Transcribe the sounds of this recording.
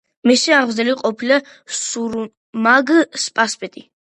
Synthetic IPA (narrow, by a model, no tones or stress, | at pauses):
misiaʁvzɛliqʼɔpʰila | suɾ | maɡspʼaspʼɛt̪ʼi